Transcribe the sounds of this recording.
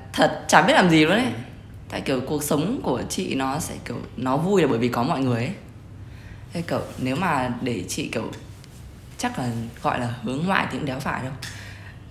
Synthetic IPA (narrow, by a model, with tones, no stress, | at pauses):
t̪ʰə˨˩t̚t͡ɕaː˧˩ɓi˦˥ət̚laː˨˩mzi˨˩lṵ˧˥ənʔa˨˦ | t̪a̰ː˧˨ki˧˩əwku˨˩ək̚sə˨˦wŋ͡mku˧˩ət͡ɕḭ˧˨nɔ˨˦sɛ̰˧˥ki˧˩əwnɔ˨˦vu˧jaː˨˩ɓəː˧˩jvi˨˩kɔ˨˦mɔ̰˧˨jŋɨ˨˩əjʔə˨˦j | e˨˦ki˧˩˨wne˨˦wmaː˨˩ɗe˧˩t͡ɕḭ˧˨ki˧˩əw | t͡ɕa˦˥k̚laː˨˩ɣɔ̰˧˨jlaː˨˩hɨ˨˦əŋːwa̰ː˧˨jt̪ʰi˨ʔɨ̰˧˥ŋɗɛ˨˦wfaː˧˩jɗə˧w